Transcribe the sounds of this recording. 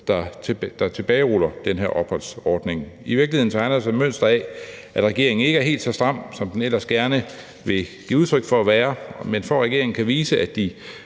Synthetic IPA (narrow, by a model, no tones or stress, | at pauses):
d̥ɑd̥ɑ̈t͡sʰe̝b̥ɛːɪʁulɐd̥enɦeɐ̰ʔɒ̽b̥hɒ̽l̰sɒːd̥ne̝ŋiʋiɐɡliheðˠn̩t͡sʰɑ̈ɪnɐdsɑ̈ɪmøn̰sd̥ɐɛʔæd̥ʁɛɡ̥e̝ɐeŋn̩e̝ɡ̥æɐɦe̝̰ːld̥sɒsd̥ʁɑ̈m̰sɒ̽md̥enel̰ɐsɡ̥æɐnə | ʋe̝ɡ̥ḭːuð̞ˠt͡sʰʁœɡ̥fɒæʋæːɐmenfɒʁɛɡ̥e̝ɐ̰e̝ŋn̩kʰæʋiːsəʔæd̥i